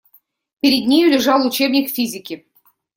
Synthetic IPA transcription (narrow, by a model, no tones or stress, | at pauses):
pʲɪɾʲɪd̪ʲnʲijulʲɪʐɑlˠut͡ɕebnʲikfʲizʲɪkʲɪ